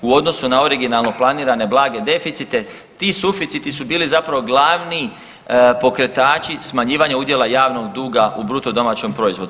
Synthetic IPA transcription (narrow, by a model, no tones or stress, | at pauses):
uo̞d̪no̞sunao̞ɾiɡinalˠno̞plˠaniːɾane̞blˠaːɡe̞d̪e̞fit̪sit̪e̞ | t̪iːsufit̪sit̪isubiːlizapɾaʋo̞ɡlˠaːʋni | po̞kɾe̞t̪aːt͡ʃismaɲiːʋaɲaud̪je̞lˠajaːʋno̞ɡd̪uːɡaubɾut̪o̞d̪o̞maːt͡ɕo̞mpɾo̞izʋo̞d̪uu